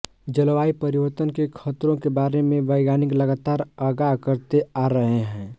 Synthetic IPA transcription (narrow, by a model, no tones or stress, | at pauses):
d͡ʒəlʋaːipəɾiʋəɾt̪ənkekʰət̪ɾõkebaːɾemẽʋəɪɡaːnɪkləɡaːt̪aːɾəɡakəɾt̪eaɾəɦeɦɛ̃ː